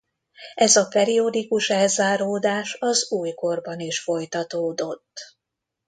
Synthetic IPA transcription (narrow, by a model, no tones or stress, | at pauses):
ɛzɒpɛɾio̞d̪ikuʃɛlzaːɾoːd̪aːʃɒzuːjko̞rbɒniʃfo̞jt̪ɒt̪oːd̪o̞t̪ː